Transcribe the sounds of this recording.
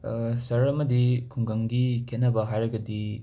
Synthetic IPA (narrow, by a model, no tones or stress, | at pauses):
sɐɾɐmɐdikʰuŋɡɐŋɡikʰet̚nɐbɐɦajɾɐɡɐdi